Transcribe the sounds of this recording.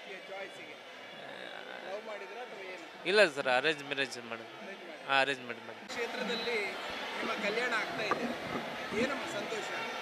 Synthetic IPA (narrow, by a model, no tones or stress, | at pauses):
t͡ʃaːjsiɡe | ɐwmaːɽid̪ɐɾonɐʋɐeːn | ilːɐsɐɾɐɾeːɲd͡ʒmɛɾed͡ʒmaːɽɐmɾed͡ʒɽaɐɾeːɲd͡ʒmeɳʈmaːɽɐmkʂeːt̪ɾɐd̪ɐlːinimːɐkɐljaːɳɐaːɡt̪aːjid̪eeːnɐmːɐsɐnt̪oːʃɐ